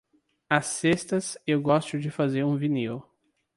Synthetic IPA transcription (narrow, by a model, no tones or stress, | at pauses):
ɐsːest̪ɐsewɡɔst̪ʊd͡ʒɪfazeɾũviniw